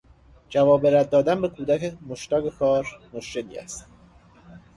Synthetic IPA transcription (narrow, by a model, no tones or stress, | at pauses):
d͡ʒævɒːbe̞ɾæd̪̚ːɒːd̪ænbe̞kʰuːd̪æcemoʃt̪ɒːɡekʰɒːɾmoʃce̞lḭːæ̰st̪